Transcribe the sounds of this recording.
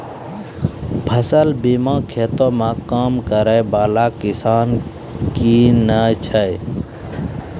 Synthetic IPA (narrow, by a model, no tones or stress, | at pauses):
bʰʱəsəlbiːmãːkʰeːt̪omãkaːmkəɾəjbaːlaːkɪsaːn | kinət͡ʃʰəj